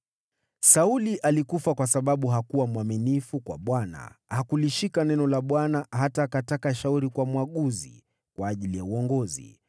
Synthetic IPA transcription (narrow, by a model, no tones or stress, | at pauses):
sauliʔalikufakwasaɓaɓuɦakuwamwaminifukwa̰ɓwana̰hakuliʃikanɛnɔlaɓwanaɦataːkatakaʃauɾikwamuwaɠuzḭ | kwaːʄilijauɔŋɡɔzḭ